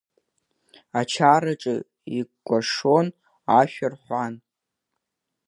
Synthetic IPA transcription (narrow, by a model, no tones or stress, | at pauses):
at͡ʃʰaɾaʈ͡ʂʼɨ | iɡɡʷaʂon | aʃᶣarħʷan